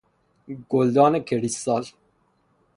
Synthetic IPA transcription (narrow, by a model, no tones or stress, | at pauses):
ɡold̪ɑːnekʰeɾisɑːl